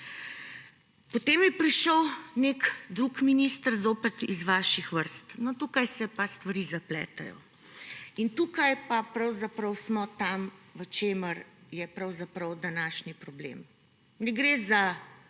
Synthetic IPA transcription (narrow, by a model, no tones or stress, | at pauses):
pɔt̪eːmjɛpɾiʃəwnekd̪ɾukminist̪əɾzoːpɛt̪izʋaːʃixʋəɾst̪nɔt̪uːkajsɛpast̪ʋaɾiːzaplɛ̰ːt̪a̰jɔ̰ | int̪ukajpapɾɐwzapɾəwsmɔt̪amʋət͡ʃeːməɾjɛpɾɐwzapɾəwd̪anaːʃnipɾɔblḛm | nɛɡɾeːza